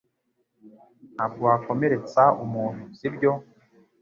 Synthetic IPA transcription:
nabɡuako̞me̞ɾe̞t͡saumuːn̥uz̥ibɟo̞

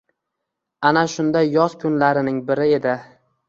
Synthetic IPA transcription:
anaʃʊnd̪ajːɒz̥kʰʊnlaɾɪnɪŋbɪɾɪe̞d̪ɪ

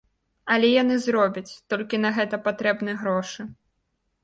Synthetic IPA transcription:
ɐlʲɛjanɨzɾɔbʲɐt͡sʲt̪ɔlʲkʲinɐɣɛt̪ɐpat̪ɾɛbnɨjɣɾɔʂɨ

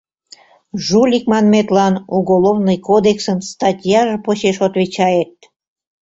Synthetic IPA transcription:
ʒulʲikmɑnmet̪lɑnuɣolovnɨjkod̪eksənst̪ɑtʲjɑʒə̆poɕeʃot̪βit͡ɕɑjet̪̚

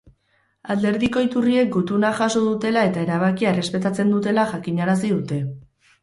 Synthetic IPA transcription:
ald̪e̞ɾðiko̞it̪urie̞k̚ɡut̪unaʝaso̞ðut̪e̞lae̞t̪ae̞ɾaβ̞akiaere̞spe̞t̪at͡se̞nd̪ut̪e̞laʝakiɲaɾas̬iðut̪e̞

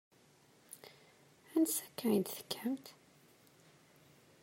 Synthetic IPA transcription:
ænsækːaʕind̪θə̥kʰːəmt̪

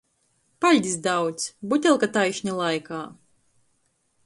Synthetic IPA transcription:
palʲd̪ʲisd̪awt̪sʲbut̪ʲɛlˠkat̪ajʃnʲalˠajkaː

